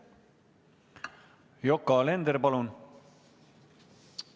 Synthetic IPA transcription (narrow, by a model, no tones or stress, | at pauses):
jokːɑlend̪eɾpɑlun